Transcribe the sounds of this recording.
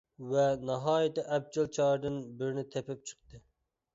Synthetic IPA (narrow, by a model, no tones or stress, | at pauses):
vɛnɑɦɑːjit̪ɛʔɛb̚d͡ʒɪlˠt͡ʃʰɑɾd̪ɨnbɪɾnɪt̪ʰɛpɪp̚t͡ʃʰə̥q̚t̪ɨ